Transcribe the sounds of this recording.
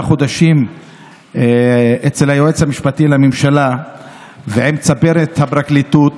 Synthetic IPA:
aχo̞d̪aʃim | et͡selhajoet͡shamiʃpatilamemʃala | vehemt͡sabe̞ʁet̪habʁaklitut

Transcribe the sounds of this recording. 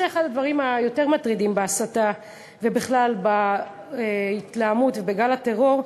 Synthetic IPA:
eeχadad̪vaʁimajo̞te̞ʁmatʁid̪imbeasata | ve̞biχlalba | it̪laːmutvebeɡalat̪e̞ʁo̞ʁ

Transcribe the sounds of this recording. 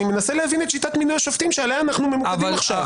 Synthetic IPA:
ime̞naselehavinet̪ʃitat̪minujaʃoft̪imʃealejaːnaχnumemuadmaχʃav

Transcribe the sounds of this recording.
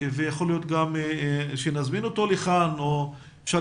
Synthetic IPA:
vejaχo̞lijo̞t̪ɡamʃenazmino̞t̪o̞leχano | ʃa

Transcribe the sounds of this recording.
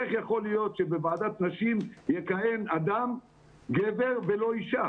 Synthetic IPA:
eχjaχo̞lijo̞t̪ʃebevaːd̪at̪naʃimjekaje̞nad̪am | ɡeveʁvelo̞iʃa

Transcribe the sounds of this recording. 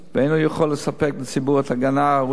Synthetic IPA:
vejnujəχolːəsapek̚bət͡sibuʁɛt̪aɡana

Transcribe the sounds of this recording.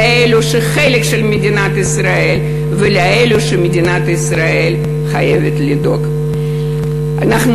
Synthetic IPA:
eluʃeχelekʃelmedʲinat̪isɾae̞lʲ | velaeluʃemed̪ʲinat̪isɾaelʲ | χaje̞vʲet̪lid̪o̞ɡ | anaχn

